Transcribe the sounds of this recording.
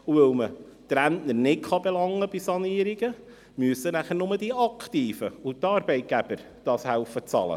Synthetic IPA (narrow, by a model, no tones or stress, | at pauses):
uvœwməd̪̥ɾæntnəɾnɪtχɑbelɑŋːəbisɑniːɾiɡ̥ə | myəsənæχəɾnʊməd̥iɑkχtiːfəutɑːɾb̥ɛɪt̚ɡ̥æb̥əɾ | d̥ɑːshæwfət͡sɑ̰lə̰